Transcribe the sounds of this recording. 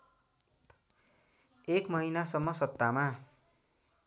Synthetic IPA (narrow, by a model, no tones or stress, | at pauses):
ekmʌɦinasʌmːʌsʌt̪ːama